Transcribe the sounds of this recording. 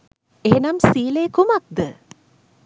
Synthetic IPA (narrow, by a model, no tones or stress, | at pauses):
eɦenamsiːleːkumak̚d̪ə